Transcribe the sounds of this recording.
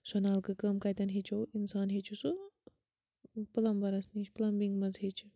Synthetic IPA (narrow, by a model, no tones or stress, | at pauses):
sɐnaːlkɨkɐmkɐjt̪ɐnɦet͡ʃʰowinsaːnɦet͡ʃʰusu | plɐmbɐɾɐsniːt͡ʃʰplɐmbiŋɡmɐzɦet͡ʃʰu